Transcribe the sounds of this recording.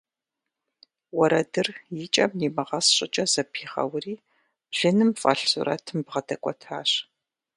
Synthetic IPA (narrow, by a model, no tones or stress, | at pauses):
wɔɾɐdɨrjɪt͡ʃʼɐmniːmɐʁɐsɕʼɪt͡ʃʼɐzɐpʰiːʁɐ̰wriː | b̥ɮ̥ɨnɨmfʼɐ̰ɬsʊ̰ɾɐ̰tʰɨmbʁɐdɐkʷʼɔtʰa̰ːɕ